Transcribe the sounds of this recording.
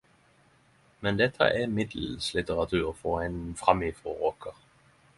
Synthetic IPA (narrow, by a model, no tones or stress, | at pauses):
mɛnd̪ɛt̪ʰːə̰ʔɛmɪd̪l̩slɪt̪əʁɑt̪ʰʉːʁfɔʁɛɪnfʁɑmifʁɔ̰ʁoːkʰəʁ